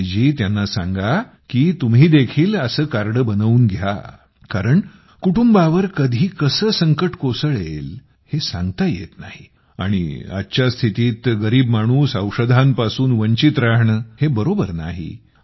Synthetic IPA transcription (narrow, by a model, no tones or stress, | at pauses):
d͡ʑiːt̪janːasãŋɡa | kiːt̪umɦiːd̪ekʰiːləsəːkaɾɽəbənəʋuːnɡʱja̰ | kaɾəɳ | kuʈumbaʋəɾkəd̪ʱiːkəsəːsəŋkəʈkosəɭel | hesãŋɡt̪ajḛt̪na̰ɦi | a̰ɽ̃ḭa̰tːɕjast̪ʰit̪iːt̪ɡəɾiːbmaɽ̃uːsəwʂəd̪ʱampasuːnʋəɲt͡ɕit̪ɾaɦɳəhebəɾobəɾna̰ɦḭ